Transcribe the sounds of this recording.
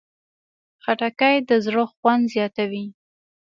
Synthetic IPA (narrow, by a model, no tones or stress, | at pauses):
xaʈakajd̪əzɽəxwand̪zjɑt̪awi